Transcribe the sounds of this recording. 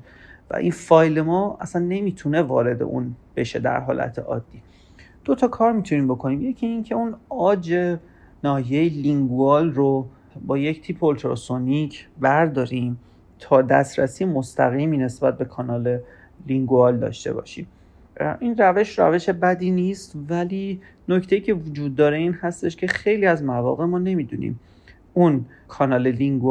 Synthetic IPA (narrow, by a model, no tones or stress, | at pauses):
væ̰ʔinfɒːjlemɒːæ̰sænːe̞miːt̪ʰune̞vɒ̰ːɾe̞d̪e̞̰ʔṵnb̥e̞ʃe̞d̪æ̰ɾɦɒ̰ːlʔæ̰t̪ʰḛʔɒ̰ːd̪̥ːiː | d̪̥o̞t̪ʰɒkʰɒːɾmit̪ʰuniːmbo̞kʰo̞niːmje̞cʰiːncʰe̞unɒːd͡ʒe̞ | nɒːjeiliŋɡuɒːlro | bɒːject̪ʰiːpʰolt̪ɾo̰sonicʰbæɾd̪ɒːɾiːm | t̪ʰɒːd̪æ̰sɾæsiːmo̞st̪ʰæ̰ɣiːmiːne̞sbæt̪̚be̞kʰɒːnɒːle̞ | liŋɡoɒld̪ɒ̰ːʃt̪e̞̰bɒ̰ːʃḭm | ʔinræve̞ʃɾæ̰ve̞ʃe̞bæd̪iːniːst̪væliː | noct̪e̞jiːcʰe̞vod͡ʒuːd̪̚ːɒːɾe̞iːnhæst̪e̞ʃcʰe̞xe̞jliːæzmævɒ̰ːɣe̞mɒːne̞mid̪ṵnḭm | un | kʰɒːnɒːle̞liŋɡ